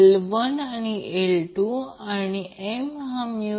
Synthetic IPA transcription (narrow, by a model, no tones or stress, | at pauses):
lʋənanielʈuaneemɦãmju